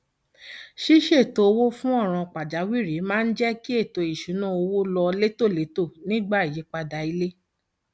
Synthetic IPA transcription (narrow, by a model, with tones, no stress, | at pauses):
ʃi˦ʃe˦˨to˧o˧wo˦fũ˦ɔ˦˨ɾ̃ɔ̃˧k͡pa˨d͡ʒa˨˦wi˦˨ɾi˨˦mãː˦˧n̩˦d͡ʒɛ˦ki˦e˦˨to˧i˨ʃũ˨˦nũ˦o˧wo˦lɔ˧le˦to˦˨le˨˦to˦˨nĩ˦ɡ͡ba˦˨i˨je˨˦k͡pa˧da˧i˧le˦